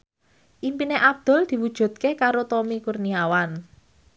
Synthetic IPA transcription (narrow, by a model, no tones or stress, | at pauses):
ʔimpineʔab̚d̪̥ɔ̤ld̪̥i̤wud̥ʒ̥ṳd̪̥̚kekaɾot̪ɔmikurniawan